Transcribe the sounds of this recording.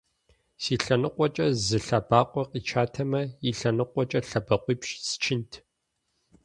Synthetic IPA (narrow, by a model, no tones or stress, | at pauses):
siːɬɐnɨqʷʼɔt͡ʃʼɐzɨɬɐbaːqʷʼɔqʼiːt͡ʃʰaːtʰɐmɐiɬɐnɨqʷɔt͡ʃʼɐɬɐbɐqʷiːpʃsɨ̥t͡ʃʰɪntʰ